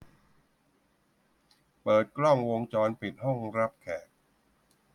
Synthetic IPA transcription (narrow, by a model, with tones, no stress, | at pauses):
pɤː˨˩t̪̚kɾɔ˥˩ŋwo˧ŋt͡ɕɔː˧npi˨˩t̪̚hɔ˥˩ŋɾa˦˥p̚kʰɛː˨˩k̚